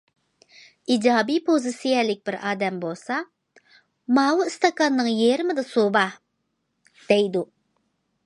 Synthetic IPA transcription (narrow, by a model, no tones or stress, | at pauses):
id͡ʒɑːbipʰozɨsijɛlɪk̚ʲbɪɾɑːd̪ɛmbolˠsɑ | mɑːwuist̪ɑkɑnːɨŋjeɾɪmɪd̪ɨsobɑ | d̪̥ɛjd̪u